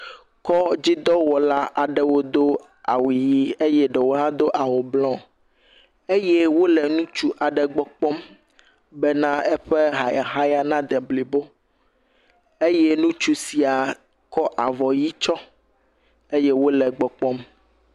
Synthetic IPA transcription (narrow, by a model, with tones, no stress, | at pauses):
kɔ˦d͡ʑi˦d̪ɔ˦wɔ˨la˦ʔa˨ɖɛ˨wo˦d̪o˦ | a̰˨wi˨ji˦e˦jɛ˦ɖɛ˨wo˦ɦã˦d̪o˦ʔa˨wo˨blɔ̃˦ | e˦je˦wo˦lɛ˨nũ˦t͡ʃu˦ʔa˨ɖɛ˨ɡ͡bɔ˦k͡pɔ˦m | bɛ˦nã˦ɛ˦ɸe˦ɦa˨ja˨ɦã˦ja˦nã˦d̪ɛ˨bli˨bo˦ | e˦je˦nũ˦t͡ʃu˦si˨a˨ | kɔ˦ʔa˨vɔ˨ji˦t͡ʃɔ˦ | e˦je˦wo˦lɛ˨ɡ͡bɔ˨k͡pɔ˦m